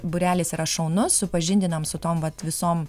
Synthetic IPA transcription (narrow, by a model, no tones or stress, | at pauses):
bʊɾʲæːlʲeːsiːɾɐʃɒʊnʊssʊpɐʒʲɪnʲd̪ʲɪnɐmsʊt̪oːmʋɐt̪ʋʲɪsoːm